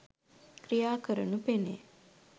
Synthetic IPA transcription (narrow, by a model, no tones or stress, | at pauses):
kɾijaːkəɾunupenḛ